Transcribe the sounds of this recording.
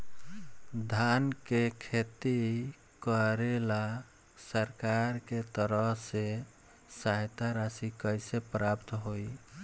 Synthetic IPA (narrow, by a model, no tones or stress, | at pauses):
d̪ʱankekʰet̪i | kəɾela | səɾkaɾket̪əɾəɦse | saɦt̪aɾasikəjsepɾapt̪ɦoj